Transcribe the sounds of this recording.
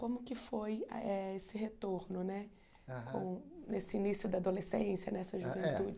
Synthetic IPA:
kõmʊkɪfojɐ̰ɛesɪɦet̪oɾnʊnɛ | kõ̰w̃nesɪinisjʊd̪ɐad̪olesẽsjɐnɛsɐʒuvẽnt̪ud͡ʒ

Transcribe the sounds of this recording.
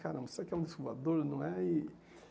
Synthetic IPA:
kaɾɐ̃mbsakɛũd̪isuvad̪oɾnɐ̃ɛi

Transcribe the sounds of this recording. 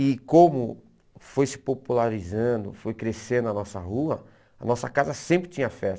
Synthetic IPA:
ɪkõmʊ | fojsɪ̥populaɾizɐ̃nd̪ʊ̰fojkɾesẽnd̪ʊɐnɔsɐ̰ɦuɐ | ɐ̰nɔsɐkazɐsẽmpɾɪt͡ʃĩɲ̃ɐfɛs

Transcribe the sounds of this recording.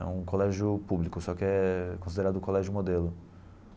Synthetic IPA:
ɛ̰ũkolɛʒjʊpublikʊsɔkɪɛkõs̬id̪eɾad̪ʊkolɛʒʊmod̪elʊ

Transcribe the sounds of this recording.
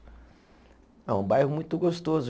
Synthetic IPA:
ɛũbajɦʊmũj̃t̪ʊɡost̪oz

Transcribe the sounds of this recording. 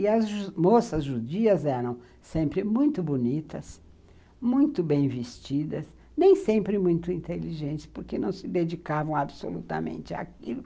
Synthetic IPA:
ɪɐzʒumosɐzʒud͡ʒiɐzɛɾɐ̃w̃ | sẽmpɾɪmũj̃t̪ʊbunit̪ɐs | mũj̃t̪ʊbẽj̃vist͡ʃid̪ɐs | nẽj̃sẽmpɾɪmũj̃t̪ʊĩnt̪eliʒẽnt͡ʃɪ̥spoɾkenɐ̃w̃sɪd̪ed͡ʒikavɐ̃w̃abso̰lṵt̪ɐ̰mḛ̃nt͡ʃɪa̰kilʊ

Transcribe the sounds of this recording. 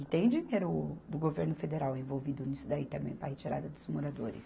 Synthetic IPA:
ɪt̪ẽj̃d͡ʒiɲeɾʊd̪ʊɡoveɾnʊfed̪eɾawẽvowvid̪ʊnisʊd̪ait̪ɐ̃mbẽj̃pɾɐhet͡ʃiɾa̰d̪ɐd̪ʊzmoɾad̪oɾɪ̰s

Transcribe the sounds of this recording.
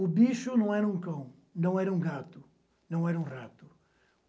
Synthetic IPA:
ʊbiʃʊnɐ̃w̃ɛɾɐũkɐ̃w̃ | nɐ̃w̃ɛɾɐũɡat̪ʊ | nɐ̃w̃ɛɾɐũrat̪ʊ

